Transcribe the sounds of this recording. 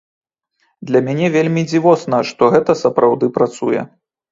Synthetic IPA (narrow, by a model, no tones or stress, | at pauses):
d̪lʲɐmʲanʲɛvʲelʲmʲid͡zʲivɔsnɐʂt̪ɔɣɛt̪ɐsɐpɾawd̪ɨpɾat̪sṵjɛ̰